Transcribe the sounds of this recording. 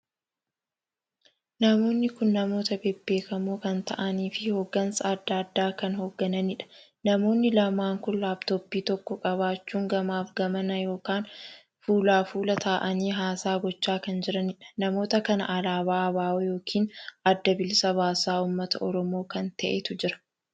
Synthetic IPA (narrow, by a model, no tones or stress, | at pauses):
nɐmo̞ːnːɪkʊnːɐmo̞ːt̪ɐbebːe̞ːkɐmoːkɐnt̪ɐ̰ʔɐniːfɪhoːɡːɐnsɐːd̪ːaːd̪ːaːkɐnhoɡːɐnɐnɪᶑɐ̥ | nɐmo̞ːnːɪlɐmaːŋkʊnlaːbt̪obːiːt̪ɔkːɔkʼɐβaːt͡ʃːuːŋɡɐmaːfɡɐmɐnɐjo̞ːkaːn | fuːlaːfuːlɐt̪ʰaːʔɐniːɦaːsaːɡɔt͡ʃːaːkɐnd͡ʒɪɾɐnɪᶑɐ̥nɐmo̞ːt̪ɐkɐnɐ̰ʔːlaːβaːbaːwjo̞ːkʰiːnɐd̪ːɐbɪlsɐβaːsaːuːmːɐt̪ɐʔɔɾɔmo̞ːkɐnt̪ɐʔet̪ʊd͡ʒɪɾɐ̥